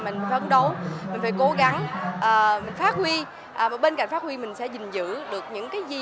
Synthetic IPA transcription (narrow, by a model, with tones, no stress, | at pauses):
mï̟˨˩˨ə˨˧˦nɗo˨˦wmï˨˩ŋ̟faː˧˦jko˨˦ɣa˨˦ŋʔəː˨˩mï˨˩ŋ̟faː˦˥t̚hwi˧ | ʔːm˨˩ɓe˧nka̰˧˨ŋ̟faː˦˥t̚hwi˧mï˨˩ŋ̟sɛ̰˧˥zï˨˩ŋ̟zɨ̰˧˥ɗɨ˨˩ək̚ɲɨ̰˧˥ŋkaː˨˦jzi˧